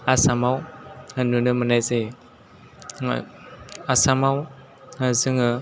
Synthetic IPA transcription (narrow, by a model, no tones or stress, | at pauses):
asamawanunəmənajze | asamaw | azɯŋa